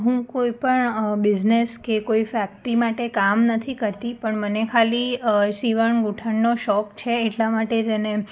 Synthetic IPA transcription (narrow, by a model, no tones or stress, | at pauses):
ɦũkoipəɳbɪd͡ʒneskekoifɛk̚ʈɾimaʈekamnət̪ʰikəɾt̪ipəɳmənekʰalisiʋəɳɡuʈʰəɳːoʃɔkt͡ʃʰeːʈlamaʈed͡ʒene